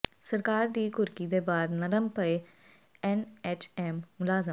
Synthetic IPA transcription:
səɾkaːɾd̪iːɡʊɾkiːd̪eːbaːd̪nəɾəmpəe | ɛːnɛːt͡ʃɛːmːʊlaːzəm

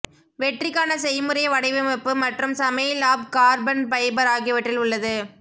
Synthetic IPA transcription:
ʋɛʈrɪkːaːnɐsɛjmɯɾɐjɐʋɐɽɐɪʋɯmɐpːɯmɐʈrɯmsɐmɐɪlaːb̚kaːɾbɐnpɐjbɐɾaːɣiʋɐʈrɪlʊɭːɐðɯ

